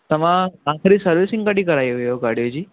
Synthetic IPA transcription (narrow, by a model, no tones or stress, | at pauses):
t̪əmããkʰɾiːsəɾʋisĩŋɡkaʈiːkəɾajojoɡaɽjod͡ʑiː